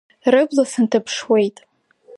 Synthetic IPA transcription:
rɨɡʷʼlasɨntʰɨpʰʂwejtʼ

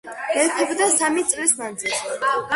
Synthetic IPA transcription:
ɛɾt̪ʰɛbd̪asamit̪sʼlisnad̪zilˠs

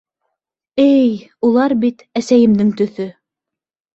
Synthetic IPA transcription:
ɘjulˠɑɾbit̪æsæjɘ̆md̪ɘŋt̪ɵ̆θɵ

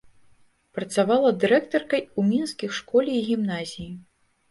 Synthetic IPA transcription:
pɾɐt̪savalˠɐd̪ɨɾɛkt̪ɔrkɐjumʲinskʲixʂkɔlʲiiɣʲimnazʲiji

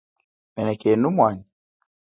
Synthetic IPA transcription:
mɛnɛkenumwani

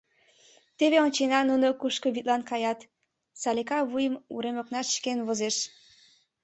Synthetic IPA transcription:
t̪eβeont͡ɕenɑnunokuʃkəβit̪̚lɑnkɑjɑt̪ | sɑlekɑβujəmṵɾemoknɑʃkenβozeʃ

